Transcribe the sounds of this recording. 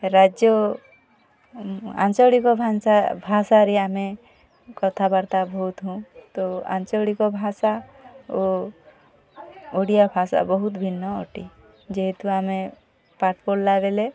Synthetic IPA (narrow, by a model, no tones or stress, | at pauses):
ɾad͡ʒjɔ | ã̰nt͡ʃɔɽikɔbʱaabʱasaɾiamẽ | kɔt̪ʰabaɾt̪abɔɦut̪ɦũt̪ɔã̰nt͡ʃɔɽikɔbʱasao | oɽijabʱasa̰bɔɦut̪bʱinːɔɔ̰ʈi | d͡ʒeɦet̪uamẽ | paʈʰpollaɡele